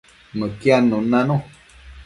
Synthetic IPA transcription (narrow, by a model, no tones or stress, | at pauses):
məkjanũnãnũ